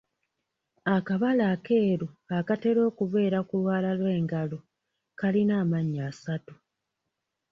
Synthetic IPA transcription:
akaβalake̞ːɾuakate̞ɾo̞ːkuve̞ːɾakulwaːlalwe̞ːŋɡalo | kalinaːmaɲːaːsatu

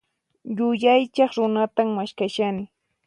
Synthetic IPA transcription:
jʊʎajt͡ʃɑχɾʊnat̪ammaʃkaʃanɪ

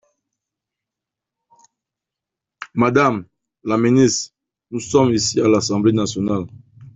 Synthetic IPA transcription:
mad̪am | laminist | nusɔmisialasɑ̃blenasjɔnal

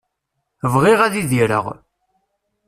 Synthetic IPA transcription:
vʁiʁæðiðiɾə̰ʁ

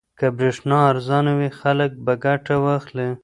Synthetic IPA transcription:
kabɾeʂnɑaɾzɑnawixalək̚baɡaʈawɑxli

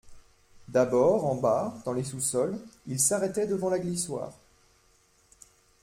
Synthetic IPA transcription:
d̪abɔʁɑ̃bad̪ɑ̃lesusɔlilsaʁɛt̪ɛd̪əvɑ̃laɡliswa̰ːʁ

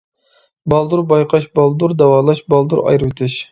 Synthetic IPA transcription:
bɑlˠd̪uɾbɑjqʰɑʃbɑlˠd̪uɾd̪ɛwɑːlˠɑʃbɑlˠd̪uɾɑ̰jɾwet̪ʰɪʃ

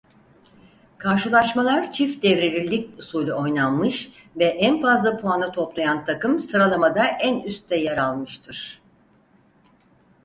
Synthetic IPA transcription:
kʰaɾʃɯlˠaʃmalˠaɾt͡ʃʰifd̪ɛvɾelʲilʲːicusuːlʲuo̞jnanmɯʃ | vɛʔænfazlˠapʰuanat̪ʰo̞plˠajant̪ʰakɯmsɯɾalˠamad̪aʔænyst̪ːɛjaɾalˠmɯʃt̪ʰɯɾ̥

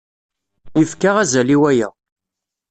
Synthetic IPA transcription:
jəfkaʁæzæliwæjæ̰

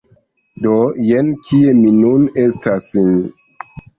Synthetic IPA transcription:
dojenkʰieminunestʰasin

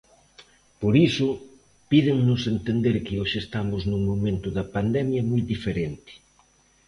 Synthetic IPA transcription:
poɾisʊ | pið̞ɪŋnʊsent̪end̪eɾkɪoʃɪːst̪amʊznuŋmomẽnt̪ʊðɐpand̪ɛmjɐmojd̪ifeɾent̪ɪ̥

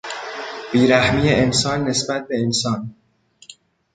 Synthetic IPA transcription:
b̥iːɾæhmiːeensɒːnːesbæt̪̚ʰbe̞ensɒːn

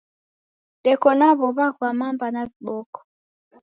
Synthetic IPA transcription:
ɗɛkɔnaβɔβakwamambanaviɓɔkɔ̥

